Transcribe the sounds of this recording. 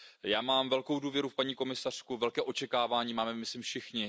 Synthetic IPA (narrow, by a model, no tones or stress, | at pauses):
jaːmaːmvɛlko̞wduːvjɛɾufpaɲiːko̞mɪsar̝̥kuvɛlkɛːʔo̞t͡ʃɛkaːvaːɲiːmaːmɛmɪslɪmfʃɪxɲɪ